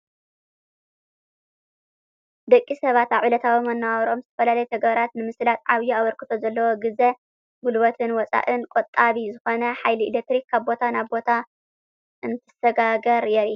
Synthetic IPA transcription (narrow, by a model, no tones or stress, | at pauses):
d̪ɐkʼːisɐβat̪aʕilɐt̪ʰawimɐnːawɾo̞mzɨt̪ʰɐfɐlalɐjɛt̪ʰɐɡβɐɾat̪nɨmɨslat̪ʼʕaβjuaβɐɾkɨt̪ʰo̞zɐlːɐwoɡɨze | ɡulbɐt̪ʰɨnwɔt͡sʼa̰ʔɨnkʼot̪ʼːaβizɨxo̞nɐħajliilek̚t̪ɾikkʰːaβbo̞t̪ʰanaβbo̞t̪ʰa | ʔɨnt̪ʰɨsɐɡaɡɐɾjɛɾi